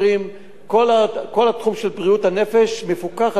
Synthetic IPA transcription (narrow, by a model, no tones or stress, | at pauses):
im | kolako̞lhat̪χumʃelbʁiuthane̞fe̞ʃmefukaχ